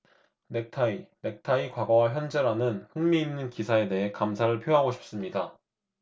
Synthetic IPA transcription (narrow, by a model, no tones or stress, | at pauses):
ne̞k̚tʰaine̞k̚tʰaikwaɡʌwaçjʌnd͡ʑe̞ɾanɯnɸɯŋmiːnːɯnkisʰae̞de̞ɦe̞kamsʰaɾɯɭpʰjoɦaɡoɕʰi̥p̚s͈ɯmɲida